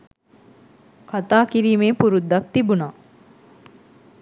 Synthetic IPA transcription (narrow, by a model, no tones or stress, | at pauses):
kʰat̪aːkiɾiːmeːpuɾud̪ːɐk̚t̪ibunaː